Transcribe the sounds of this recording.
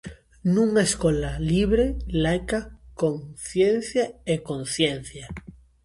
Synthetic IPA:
nũŋaeskolaliβ̞ɾelajkakoŋθjen̟θjaekonθjen̟θja

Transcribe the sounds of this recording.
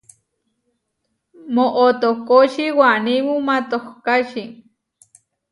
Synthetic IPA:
moʔot̪okoʃiwaniwumat̪ohkaʃi

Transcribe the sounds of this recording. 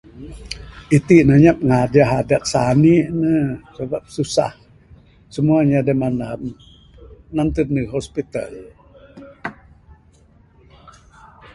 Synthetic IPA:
it̪iʔnəɲap̚ŋad͡ʒaɦadaʔ̪̚saniʔnəsəbap̚susa̰h | səmuaɲadamanam | nant̪ənəɦospit̪a̰l

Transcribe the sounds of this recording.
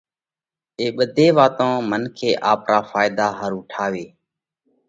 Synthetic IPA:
eːɓəd̪ʱeːʋaːt̪õːmənkʰeːʔaːpɾaːfaːɪd̪aːɦəɾuːʈʰaːʋeː

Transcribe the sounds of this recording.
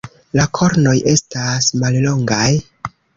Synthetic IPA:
lakʰo̞ɾno̞jʔe̞stasmallo̞ŋɡaj

